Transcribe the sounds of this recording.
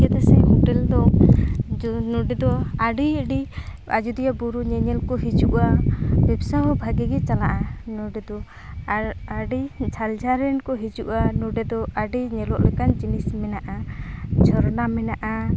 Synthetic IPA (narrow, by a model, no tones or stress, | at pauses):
kɛt̪ɛsɛmɔʈɛld̪ɔ | nɔɖɛd̪ɔaɖiɖi | a̰d͡ʒud̪ijabuɾuɲɛɲɛlkɔɦid͡ʒuʔabɛbsaɦɔbʱaɡɛɡɛt͡ʃalaʔanɔɖɛd̪ɔ | aɖid͡ʒʰʱald͡ʒaɾɛnkɔɦid͡ʒuʔanɔɖɛd̪ɔaɖiɲɛlɔʔlɛkand͡ʒinismɛnaʔad͡ʒʱɔɾnamɛnaʔa